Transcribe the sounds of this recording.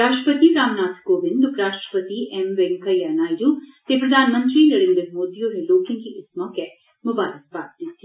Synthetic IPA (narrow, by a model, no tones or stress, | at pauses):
ɾaːʃʈɾəpət̪iɾaːmnaːt̪ʰkoːʋɪnd̪ukʰɾaːʃʈɾə̥pət̪iʔemʋeŋkɐjaːnaːjɾut̪eːpɾɐd̪ʱaːnmənt̪ɾiːnɐɽẽnd̪əɾmoːd̪ijoːɾeloːkiŋɡiʔɪsmɔkɛ | mʊbaːɾɐs̚baːt̚d̪it̪ːi